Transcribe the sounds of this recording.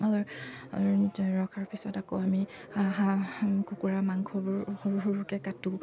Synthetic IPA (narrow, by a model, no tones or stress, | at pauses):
alɔ̰ | ɹɔkʰaɹpʰisɔtakɔami | haɦakukuɹamaŋkʰɔbʊɹhoɹɦuɹkɛkatu